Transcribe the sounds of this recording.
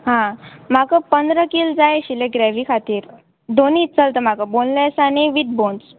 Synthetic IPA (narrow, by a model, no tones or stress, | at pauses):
ɦãm̤akəpənd̪ɾəkild͡zajɕilẽɡɾɛʋikʰat̪iːɾ | d̪onit͡səlt̪əm̤akəbonlɛsaniʋit̪̚bons